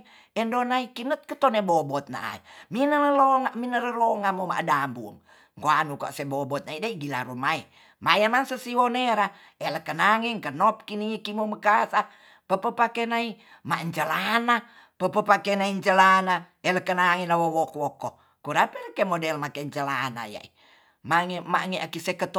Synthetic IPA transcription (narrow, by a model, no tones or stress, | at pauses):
ɛndonaikinət̪̚kət̪ɔnebɔbɔt̪̚na̰ʔa̰ḭminələloŋaʔminələlɔŋamoma̰ʔdambṵŋ | koanuka̰ʔsebobɔt̪̚naidaiɡila̰ɾumai | majamaŋsəsiɦoneɾa | ɛləkənaŋiŋkənɔp̚kinikimoməkasa | pəpəpakenai | maʔɲt͡ʃəlana | pəpəpakenaiɲt͡ʃəlana | ɛləkənaŋinawowɔkwɔkɔ | kuɾapɛləkemodɛlmakeɲt͡ʃəlana̰ja̰ʔḭ | maŋɛmaŋiʔakisekət̪